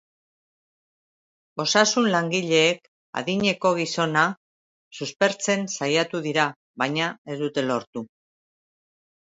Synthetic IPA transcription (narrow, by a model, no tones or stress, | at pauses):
o̞sasunlaŋɡiʎe̞ːk | a̰ðiɲe̞ko̞ɣiso̞na | suspe̞ɾt͡se̞nsajat̪uðiɾa | βajɲae̞zd̪ut̪e̞lo̞ɾt̪u